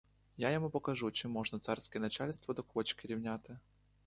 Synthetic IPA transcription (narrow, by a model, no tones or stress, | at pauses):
jajɪmupəkɐʐut͡ɕɛmːoʐnət̪sarskəjənɐt͡ɕalʲst̪vəd̪ɐkot͡ɕkʲɪɾʲɪvnʲat̪ɨ